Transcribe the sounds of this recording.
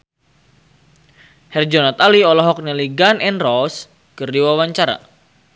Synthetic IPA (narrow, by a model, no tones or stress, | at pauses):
hɛrd͡ʒɔnɔt̪aliɔlɔɦɔk̚nɛliɡanɛnrɔs | kərdiwawaɲt͡ʃaɾa̰